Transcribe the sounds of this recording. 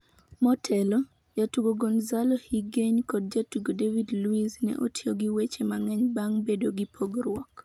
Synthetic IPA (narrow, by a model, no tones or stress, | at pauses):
mɔtʰɛlɔ | jatuɡoɡonzalɔhiɡeɲkɔd̚d͡ʒatuɡodevidluiznɛ̰ʔo̰tʰjoɡiwet͡ʃemaŋɛɲbaŋbedoɡipʰoɡrwɔk